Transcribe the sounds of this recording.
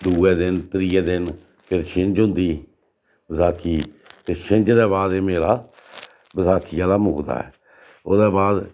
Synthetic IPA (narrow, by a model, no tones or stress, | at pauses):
d̪uːɛːd̪ɪnt̪ɾiːɛːd̪ɪn | pʰɪɾʃʰɪ̃nd͡ʒɦʊ̃nd̪iː | bəzaːkʰiː | t̪eːʃʰɪnd͡ʒd̪ɛːβaːd̪eːmeːɾaː | bəzaːkʰijaːlaːmʊɡd̪a̰ːɛ̰ː | oːd̪ɛːbaːd̪